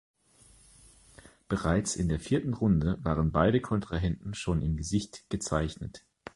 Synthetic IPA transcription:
b̥əʁaɪt͡sɪndeːɐfiːɐtn̩ʁʊndəvaːʁ̞ənbaɪɾəkʰɔntʁ̥aɦɛntn̩ʃoːnɪmɡəzɪçtɡ̥ət͡saɪçnət

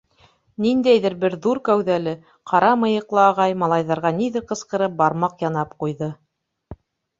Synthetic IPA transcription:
nind̪æjðɘ̆ɾbɘɾðuɾkæwðælɘ | qɑɾɑmɤ̆jɤ̆qlˠɤɑʁɑjmɑlˠɑjðɑɾʁɑniðɘɾqɤ̆sqɤ̆ɾɤp̚bɑɾmɑqjɑnɑpqujðɤ

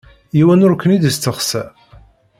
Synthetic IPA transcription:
jiwænʊɾkʰʷːənid̪əst̪ːəχsæ

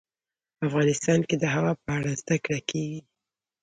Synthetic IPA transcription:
afɣɑnɪst̪ɑnked̪əɦawɑpəaɽazd̪akɽakʰeɡi

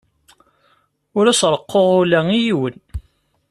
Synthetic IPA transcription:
ʊɾæsɾˤəqːoʁʊlæŋijiwən

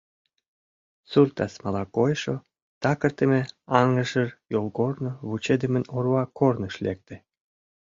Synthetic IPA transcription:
surt̪ɑsmɑlɑkojʃo | t̪ɑkə̆rt̪əmĕɑŋə̆ʒərjolɣornoβut͡ɕed̪əmə̆norwɑkornəʃlek̚t̪ĕ

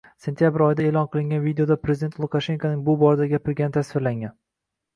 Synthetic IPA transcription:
se̞nt̪ʰijabɪɾɒjd̪ae̞ːlˠɒnqʰɨlˠɪŋɡʲanvid̪eod̪apʰɾe̞zɪd̪ent̪lˠukaʃe̞ŋkʰanɪŋbʊbɒɾad̪aɡʲapɪɾɡʲanɪt̪ʰasvɪɾlaŋɡʲan

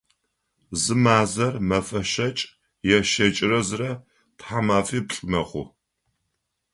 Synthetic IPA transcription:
zɨmaːzɐrmɐfɐʃɐt͡ʃʼ | jɛʃɐt͡ʃʼɪrɐzɨrɐ | tħamaːfiːpɬʼɨmɐχʷʊ̰

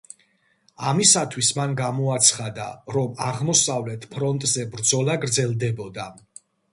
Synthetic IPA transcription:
amisat̪ʰwismanɡamɔat̪sʰχad̪a̰ɾɔmaʁmɔsavlɛt̪ʰpʰɾɔnt̪ʼzɛbɾd̪zɔlaɡɾd̪zɛlˠd̪ɛbɔd̪a

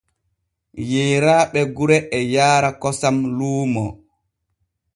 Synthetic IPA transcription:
jeːɾaːɓɛɡuɾɛʔɛjaːɾakɔsamluːmɔ

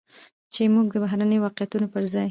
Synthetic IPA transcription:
t͡ʃemuɡ̚d̪əbaɦɾanəjowɑqjat̪unopəɾzɑj

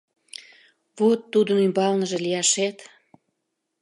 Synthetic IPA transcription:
βot̪ːud̪ənymbɑlnəʒelijɑʃet̪

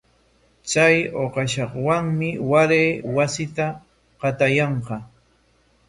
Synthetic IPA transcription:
t͡sajoqɑʃɑχwaŋmɪwaɾeːwasɪt̪a | qɑt̪ajɑɴqɑ

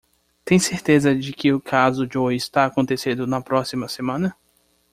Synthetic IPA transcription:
t̪ẽj̃seɾt̪ezɐd͡ʒɪkɪʊkʰazʊd͡ʒojɪst̪aːkõt̪esẽd̪ʊnɐpɾɔsimɐsemɐ̃nɐ

